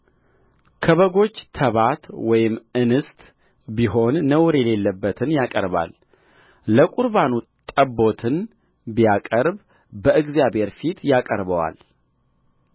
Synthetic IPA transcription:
kʰəβəɡo̞t͡ʃːt̪ʰəβat̪wɔjɪmɨnɨst̪ʼ | biɦo̞nːəwɾjɛle̞lːəbːət̪ʰɨnjakʼə̰ɾba̰l | ləkʼuɾbanut̪ʼəbːo̞t̪ʰɨn | bijakʼəɾb | bəʔɨɡzjabhe̞ɾfit̪jakʼəɾbəwa̰l

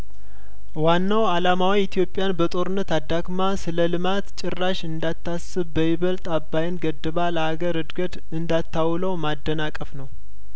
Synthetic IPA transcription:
wanːawalamawiɪt̪ʰijo̞pʼːjanbət̪ʼo̞ɾɨnːət̪ad̪ːaɡmasɨləlɨmat̪t͡ʃʼɪrːaʃɨnd̪at̪ːasɨβbəjɪβəlt̪ʼabːajɪnɡəd̪ːɨβaləhaɡəɾɨd̪ɡət̪ | ɨnd̪at̪ːawləwmad̪ːənakʼəfnəw

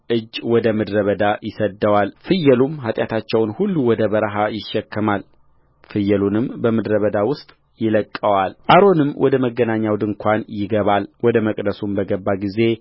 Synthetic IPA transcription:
ʔɨd͡ʒːwɔd̪əmɨd̪ɾəβəd̪ajɪsəd̪ːəwalfɨjːɛlumɦat̪ʼjat̪ʰat͡ʃːɛwnhulːuwɔd̪əbəɾɦajɪʃːɛkːɨmal | fɨjːɛlunɨmbəmɨd̪ɾəβəd̪awʊst̪ʼ | jɪləkʼːəwalʔaɾo̞nɨmːwɔd̪əməɡːənaɲːawd̪ɨŋkʷʰanjɪɡəβalwɔd̪əməkʼd̪əsumbəɡəbːaɡize̞

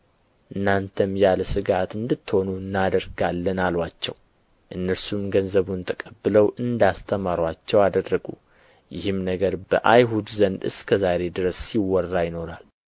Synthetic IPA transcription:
ʔɨnːant̪ʰəmjalsɨɡat̪ɨnd̪ɨt̪ːho̞nunːad̪əɾɡalːənalwat͡ʃːɛ̰w | ʔɨnːəɾsumɡənzəβunt̪ʰəkʼəbːɨləwʔɨnd̪ast̪ʰəmaɾwat͡ʃːɛwad̪ərːəɡṵ | jɪhɨmnəɡəɾbə̰ʔajɦud̪zənd̪ɨ̰skʰəzaɾe̞d̪ɨɾəsːiwːɔrːajɪno̞ɾal

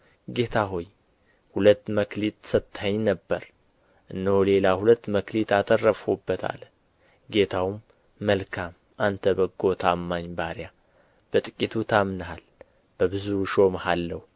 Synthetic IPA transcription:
ɡe̞t̪ʰaɦo̞j | hulət̪ːməklit̪sət̪ːhəɲːnəbːəɾ | ʔɨnːəwle̞lahulət̪ːməklit̪at̪ʰʼərːəfobːət̪ʰa̰l | ɡe̞t̪ʰawmː | əlkʰam | ʔant̪ʰəbəɡo̞t̪ʰamːaɲbaɾja | b̥ət̪ʼɨkʼit̪ʰut̪ʰamnəhal | b̥əβɨzuʃo̞mhalːəwu

